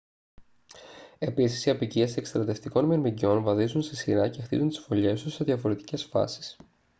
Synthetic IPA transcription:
e̞pisisiɐpiciese̞kst̪ɾɐt̪e̞ft̪iko̞nmiɾmiɟio̞nvɐðizunst̪isiɾɐce̞xt̪ḭzunt̪i̥sfo̞ʎe̞st̪use̞ðʝɐfoɾe̞t̪i̥ce̞sfɐ̰si̥s

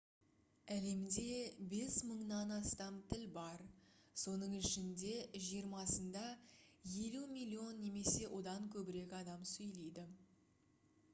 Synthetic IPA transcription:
æle̞md̪e̞be̞sməɴnɑnɑst̪ɑmt̪ʰɪlbɑɾso̞nəɴɪʃɪnd̪e̞ʒijəɾmɑsənd̪ɑje̞lumilʲːio̞nːe̞me̞se̞wʔo̞d̪ɑŋkʲʰɵbɪɾe̞kʲɑd̪ɑmsɵjle̞jd̪ɪ

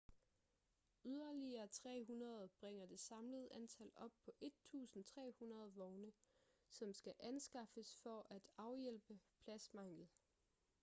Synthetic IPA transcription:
yð̞ˠɐliɐːt͡sʰʁɛ̰ːɦunɐð̞ˠɐb̥ʁɛŋ̰ɐd̥e̝sɑ̈mləð̞̩ˠʔænt͡sʰælɒ̽b̥̚pʰɒ̽ʔe̝d̥̚t͡sʰṵːsn̩t͡sʰʁɛ̰ːhunɐð̞ˠʋɒʊnəsɒ̽msɡ̥æʔænsɡ̥ɑ̈fəsfɒʔæd̥ɑ̈ʊjel̰b̥əpʰlæsmɑ̈ŋ̰̥ð̩ˠ

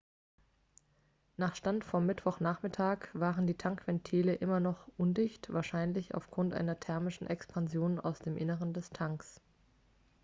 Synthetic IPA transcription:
naːχʃtantfɔmːɪtv̥ɔχnaːχmɪtʰaːkv̥aːʁəndiːtʰaŋkv̥ɛntʰiːləʔɪmɐnɔχʔʊndɪçtv̥aːɐʃaɪnlɪça̰ʊfɡ̥ʁʊntʔa̰ɪnɐtʰɛɐmɪʃn̩ʔɛkspʰanzjoːna̰ʊsd̥eːmʔɪnəʁəndɛstʰaŋks

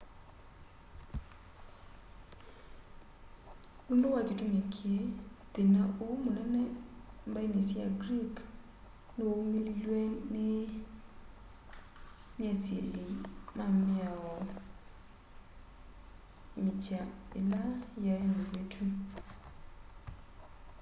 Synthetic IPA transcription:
undowad͡ʒitumekʰjet̪enaʔomonɛnɛmbainesia̰ɡɾik | nomililwenɪ | nasjelimamɪaɔ | mɪt͡ʃaɪlajaomobetʰu

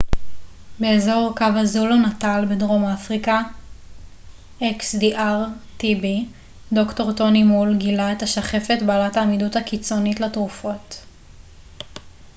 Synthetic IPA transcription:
be̞ezo̞ʁkavazulonatalbedʁo̞mafʁika | ʔeksdiʔaʁtibi | do̞kto̞ʁto̞nimulɡilaetaʃaχe̞fetbaːlataːmiduthakit͡so̞nitletʁufo̞t

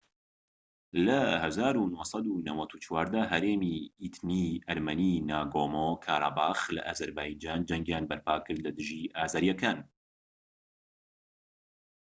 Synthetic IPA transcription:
lɐhɛzaːɾuːnohsˤɑd̪uːnɐwɐt̪ʰuːt͡ʃʰwaːɾd̪ɛɦɛɾeːmiːiːt̪niːʔɐɾmɛniːnaːɡoːmoːkʰaːɾˤɑ̰baːxlɨ̰ʔaːzɐɾbaːjd͡ʒaːnd͡ʒɛŋɡjaːnbɐɾpʰaːkɨɾd̪lɨd̪ɨʒiːʔaːzaːɾjɛkʰaːn

